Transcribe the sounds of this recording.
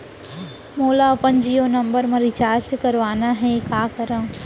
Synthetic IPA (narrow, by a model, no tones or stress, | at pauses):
moːlaɐpənd͡ʒiːonɐ̃mbəɾmẽɾɪt͡ʃaːɾd͡ʒkɐɾʋaːnaɦɛkaːkɐɾə̃ː